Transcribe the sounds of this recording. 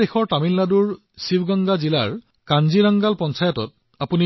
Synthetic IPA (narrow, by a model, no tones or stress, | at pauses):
exɔɹtamilːaduɹ | sibɡaŋɡazila̰ɹ | kanziɹaŋɡalpɔnsajɔtɔ̰t̚ | apuni